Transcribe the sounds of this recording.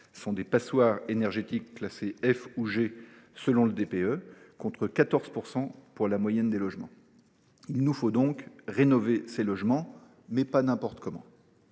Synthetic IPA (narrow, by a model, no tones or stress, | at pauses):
sɔ̃d̪epaswaːʁenɛʁʒet̪ikːlaseɛfuʒesəlɔ̃ləd̪epeø | kɔ̃t̪χəkat̪ɔʁz̥puʁsɑ̃puʁlamwajɛnd̪elɔʒmɑ̰̃ | ilnufod̪ɔ̃kʁenɔveselɔʒmɑ̃ | mɛpanɛ̃pɔʁt̪kɔmɑ̰̃